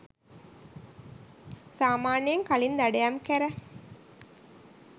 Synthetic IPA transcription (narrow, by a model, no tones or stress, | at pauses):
saːmaːnijɐŋkalind̪æɖejamkæɾæ